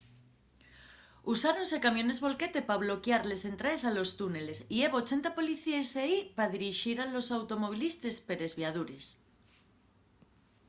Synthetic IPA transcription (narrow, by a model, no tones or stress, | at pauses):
usaɾonse̞kamjõ̞ne̞zβo̞lke̞t̪e̞paβ̞lo̞kjaɾle̞se̞nt̪ɾaesalo̞st̪une̞le̞sieβot͡ʃe̞nt̪apo̞liθieseipaðiɾiʃiɾalo̞sawt̪o̞mo̞βilist̪espe̞ɾe̞zβjað̞uɾe̞s